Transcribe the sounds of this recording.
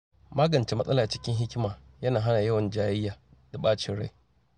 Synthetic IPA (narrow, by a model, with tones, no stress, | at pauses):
maː˦ɡɐ˨nt͡ʃe˦mɐ˦sʼɐ˦laː˨t͡ʃɪ̥˦kʲɪ˦ŋɦɪ˦kʲmaː˨jɐ˦naː˨ɦa˦naː˨jɐ˦wɐ˨nd͡ʒaː˦jɪ˦jːaː˨da˨ɓaː˦t͡ʃɪ˨ɽa̰˦j